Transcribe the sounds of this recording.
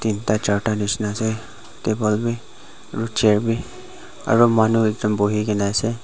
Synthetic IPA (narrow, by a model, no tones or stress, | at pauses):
t̪int̪at͡ʃaːʈanɪt͡ʃnase | t̪eːbəlbi | ɾut͡ʃeːɾbi | ə̰ɾəmaːnuɪkd̪əmboːɦikenaːse